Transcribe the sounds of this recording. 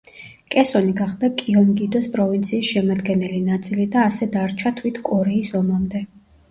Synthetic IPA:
kʼɛsɔniɡaχd̪akʼiɔnɡid̪ɔspʼɾɔvint̪sʰiːsʃɛmad̪ɡɛnɛlinat̪sʼilid̪aːsɛd̪aɾt͡ʃʰat̪ʰwit̪ʰkʼɔɾɛisɔmamd̪ɛ

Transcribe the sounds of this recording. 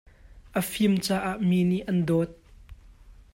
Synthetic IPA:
ʔəfimt͡saːʔaːʔmiːniʔɐndɔːt̪̚

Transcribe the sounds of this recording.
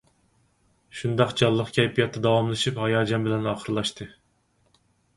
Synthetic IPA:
ʃund̪ɑqd͡ʒɑlˠːəqkʲʰɛjpʰijɑt̪ːɑd̪ɑwɑmlˠɨʃiphɑjɑːd͡ʒɑmbɪlɛnɑːχəɾlˠɑʃt̪ʰɨ

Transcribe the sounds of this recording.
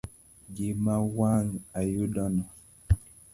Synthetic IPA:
d͡ʒimawaŋajudɔnɔ

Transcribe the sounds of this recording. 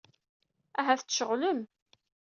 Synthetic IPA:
æɦæθt͡sːʃəʁləm

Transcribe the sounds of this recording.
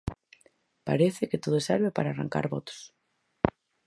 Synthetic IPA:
pa̰ɾeθɪkɪt̪oðoseɾβepaɾaːra̰ŋka̰ɾβɔt̪o̥s

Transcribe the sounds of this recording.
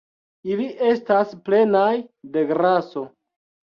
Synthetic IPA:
iliʔe̞stasple̞najde̞ɡɾaso̞

